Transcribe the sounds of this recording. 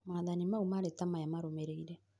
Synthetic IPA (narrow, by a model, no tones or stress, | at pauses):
maðanimaumaɾɛtamajamaɾomɛɾeiɾɛ